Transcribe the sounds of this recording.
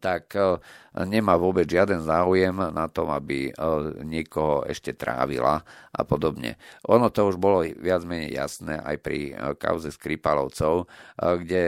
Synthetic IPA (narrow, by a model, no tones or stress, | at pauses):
t̪ak | ɲɛmaːʋʊɔbɛd͡zʒɪad̪ɛnzaːujɛmnat̪ɔmabiɲɪɛkɔɦɔɛ̰ʃcɛt̪ɾa̰ːʋḭla̰ʔa̰pɔd̪ɔbɲɛ̰ʔɔnɔt̪ɔuʒbɔlɔʋɪad͡zmɛɲɛ̰ja̰snɛ̰ːʔa̰jpɾḭka̰ʊzɛskɾipalɔʊt͡sɔʊɡɟɛ